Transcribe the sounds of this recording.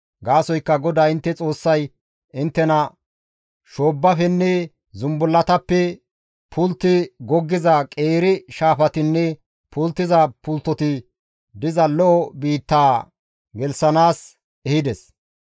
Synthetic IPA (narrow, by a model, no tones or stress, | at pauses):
ɡaːsɔjkːɐɡɔd̪aːɪnt̪ːɛt͡sʼo̞ːsːɐj | ɪnt̪ːɛnɐ | ʃo̞ːbːɐfɛnːɛ | zʊmbʊlːɐt̪ɐpːɛ | pʰʊlt̪ːɪɡɔɡːɪzɐkʼeːɾɪʃaːfɐt̪ɪnːɛ | pʊlt̪ːɪzɐpʊlt̪ːɔt̪ɪ | d̪ɪzɐlɔʔɔbiːt̪ːaː | ɡɛlsɐnaːs | ɛhɪd̪ɛs